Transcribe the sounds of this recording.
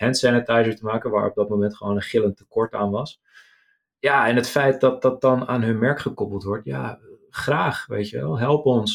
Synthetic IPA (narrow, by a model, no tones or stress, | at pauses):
hɛntsɛnətajzəɹtəmaːkənʋaːɹɔb̚dɑt̚momɛntχəʋoːnənχɪlˠəntəkɔɹtaːnʋɑs | jaɛnɦətfɛjt̚dɑt̚dɑt̚dɑnaːnɦɵnmɛɹkχəkɔpəlˠtʋɔɹtja̰χraːχʋḛjtjəʋɛlˠɦɛlˠpɔns